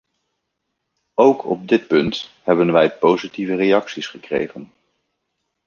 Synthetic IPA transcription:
owkʰɔ̰b̚dɪt̚pɵnthɛbənʋɛjpowzitivərejɑksisχəkrḛjχən

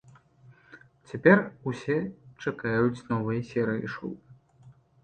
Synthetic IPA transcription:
t͡sʲapʲɛrusʲɛt͡ʂakajut͡sʲnɔvɨjɐsʲɛɾɨjḭʂṵw

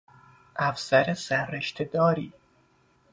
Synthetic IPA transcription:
ʔæfsæɾesæɾːeʃt̪ʰed̪ɒːɾiː

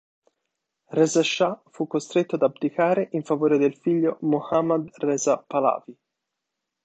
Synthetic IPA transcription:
rɛːzaʃːafukːost̪ɾet̪ːoad̪abd̪ikaːɾeʔiɱfavoːɾed̪elfiʎːomohamːad̪rɛːzapala̰ːvi

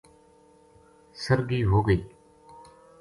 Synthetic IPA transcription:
səɾɡiːɦoːɡəiː

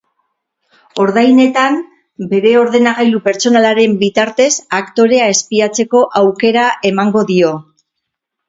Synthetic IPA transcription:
o̞ɾðajne̞t̪am | be̞ɾe̞o̞ɾðe̞naɣajlupe̞ɾt͡so̞nalaɾe̞mbit̪aɾt̪e̞sakt̪o̞ɾe̞ae̞spiat͡se̞ko̞ʔawke̞ɾaʔe̞maŋɡo̞ðio̞

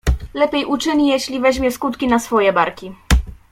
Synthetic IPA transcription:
lɛpʲjejʔut͡ʂɘɲijeɕlʲivɛʑmʲjɛskut̪kʲinasfɔjɛbaɾkʲi

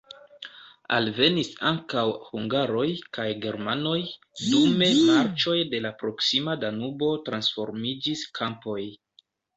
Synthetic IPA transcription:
a̰lve̞nisaŋkawhuŋɡaɾo̞jkajɡe̞ɾmano̞j | dume̞maɾt͡ʃo̞jde̞lapɾo̞ksimadanubo̞tɾansfo̞̰ɾmid͡ʒiskʰampo̞j

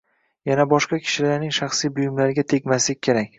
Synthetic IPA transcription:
janabɒʃqɑkʲʰɪ̥ʃɪlaɾnɪŋʃaχsijbʊjɪmlaɾɪɡʲat̪ʰe̞kʲmaslɪk̚ʲkʰːeɾakʲ

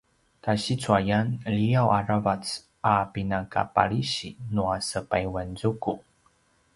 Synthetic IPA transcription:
kaɕit͡suajanəliawʔaravat͡s | ʔapinaka̰pa̰ɭiɕinuasəpajwanzuku

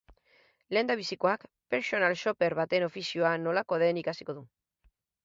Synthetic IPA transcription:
le̞ːnd̪aβ̞isikoakpe̞ɾso̞nalʃo̞pe̞ɾβat̪e̞no̞fisio̞ano̞lako̞ðe̞nikasi̥ko̞ðu

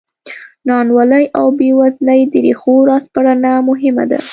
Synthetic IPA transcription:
nɑnwaləjʔawbewazləjd̪əɾexoɾɑspaɽanamʊɦɪma̰d̪a̰

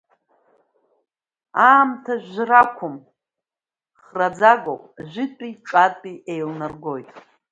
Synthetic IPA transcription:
aːmtʰaʒʷᶣrakʷʰʊm | χrad͡zaɡopʼʒʷɪtʷʼiʈ͡ʂʼatʼiʔejlnarɡo̞jtʼ

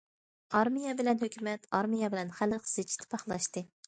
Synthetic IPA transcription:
ɑɾmijɛbɪlɛnhøkʲʰymɛt̪ʰɑɾmijɛbɪlɛnχælɨqz̥ɪt͡ʃʰi̥t̪ʰɪ̥pʰɑχlˠɑʃt̪ɨ

